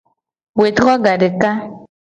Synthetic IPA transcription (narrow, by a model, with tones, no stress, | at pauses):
we˨tɣɔ˦ɡa˨de˨ka˦